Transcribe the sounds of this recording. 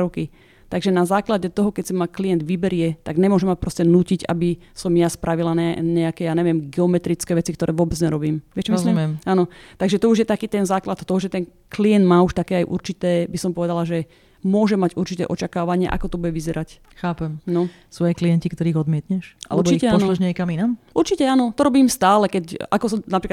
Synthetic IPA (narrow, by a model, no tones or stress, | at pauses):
ɾɔki | t̪aɡʒɛnazaːklaɟɛt̪ɔɦɔkɛcsɛmaklijɛnd̪ʋibɛɾɪɛt̪aɡɲɛmʊɔʒɛmapɾɔscɛnuːciɟa̰bi | sɔmjaspɾʔaʋilanɛɲɛakɛːjaːɲɛʋɪɛmɡɛɔmɛt̪ɾit͡skɛːʋɛt͡sikt̪ɔɾʔɛːʋʊɔːbɛd͡zɲɛɾɔbiːmʋɪɛt͡ʃɛmzmɛmaːnɔt̪aɡʒɛt̪ɔuʒjɛt̪akiːt̪ɛnzaːklat̪t̪ɔɦɔʒɛt̪ɛn | kliɛnd̪maːuʃt̪akɛːajʔṵɾt͡ʃit̪ɛːbisɔmpɔʋɛd̪alaʒɛ | mʊɔʒɛmaɟuɾt͡ʃit̪ɛ̰ːʔɔt͡ʃakaːʋaɲɪɛ̰ʔa̰kɔt̪ɔbuɟɛʋizɛɾʔac | xaːpɛmnɔ | sɔaɛjkliɛncikt̪ɔɾiːɣɔd̪mɪɛt̪ɲɛʃʔa̰lɛɛbt͡ʃicɛaɔnʃnɔlɛʒɲɛkaminamʔuɾt͡ʃicɛaːnɔt̪ɔɾɔbiːmst̪aːlɛkɛcʔakɔsɔmnapɾiːk